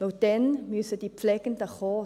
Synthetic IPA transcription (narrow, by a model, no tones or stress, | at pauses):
owd̥ɛnmysəd̥ipflɛɡ̥ənd̥əχɔː